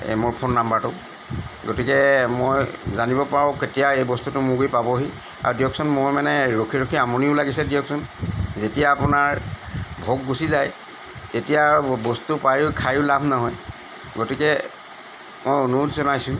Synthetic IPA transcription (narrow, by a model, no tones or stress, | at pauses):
mʊɹpʰonːambatʊ | ɡotikɛmojzanibɔpaɹɔ̃ketijaejbɔstutʊmʊɡujpabɔɦi | a̰ɹudijɔksɔnmojmanɛɹokʰiɹokʰiamɔniʊlaɡisɛdijɔksɔnzetijaːpʊnaɹbʱok̚ɡusizaj | tetijabɔstupajʊkʰajʊlabʱnaɦɔj | ɡotikɛ | mojonutʰzɔnajsʊ̃